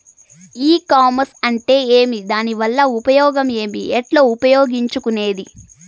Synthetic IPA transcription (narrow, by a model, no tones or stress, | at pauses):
iːkaːmɐɾsɐɳʈe̞ːeːmid̪aːniʋɐlːɐupɐjɔːɡɐme̞ːmiɛʈlo̞ːupɐjoːɡiɲt͡ʃukune̞ːd̪i